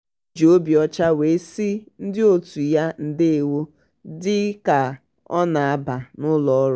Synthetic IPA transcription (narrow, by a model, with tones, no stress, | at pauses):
d͡ʒo˨o˦bi˨ɔ˦t͡ʃa˦we˨˦si˦n̩˦dɪ˦o˦tu˨ja˦n̩˦dɪ˦e˨wo˦ | dɪ˦ka˨ | ɔ˦na˨a˦ba˨nʊ˦lɔ˦ɔ˦ɾ